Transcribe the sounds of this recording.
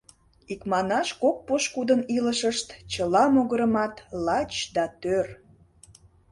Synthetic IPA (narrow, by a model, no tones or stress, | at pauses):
ikmɑnɑʃkok̚poʃkud̪əniləʃəʃt̪t͡ɕəlɑmoɣəɾəmɑt̪lɑt͡ɕd̪ɑt̪ør